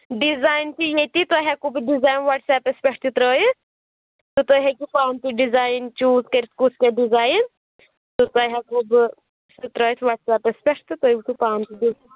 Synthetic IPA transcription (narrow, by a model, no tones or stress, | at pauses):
ɖizaːjnt̪ijet̪it̪aɦakubɖizaːjnʋaʈsɛːpespʲeʈʰt̪it̪ɾɔːji | t̪ut̪oɦekipaːmt̪iɖizaːjnt͡ʃuːzkɐɾiskusʰkeɖizaːjn | t̪ut̪aɦakub | sit̪ɾɔːjt̪ʰʋaʈsɛːpespʲeʈʰt̪it̪oːibik̪ipaːmt̪iɖi